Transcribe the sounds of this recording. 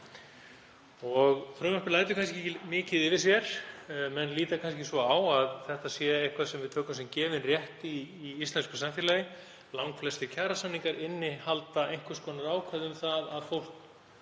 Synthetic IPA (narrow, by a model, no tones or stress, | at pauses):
ɔɣθʰɾœːmahpɪlaːjt̪ʏkʰans̬cɪmɪːcɪðɪvɪs̬jɛɾ̥mɛnliːt̪akʰans̬cɪsvɔawaðθɛht̪asjɛejhkʰvḁsɛmvɪðt̪ʰœːkamsɛmcɛːvɪnrjɛht̪ɪiːist̪lɛnskʏ̥samfjɛlajɪ | lawŋkflɛst̪ɪcʰaːɾasanːiŋkaɾɪnːɪhalt̪aejŋ̥kvʏ̥skɔːnaɾaːwkʰvaðʏmθaðaðfowl̥k